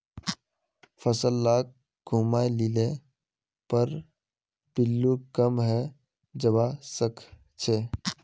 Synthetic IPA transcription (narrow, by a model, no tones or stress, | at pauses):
fəsəlːaːk̚ | ɡʱuːmaelile | pəɾ | pɪlːukəmɦɛ | d͡ʒəbaːsəkʰ | t͡ʃʰeː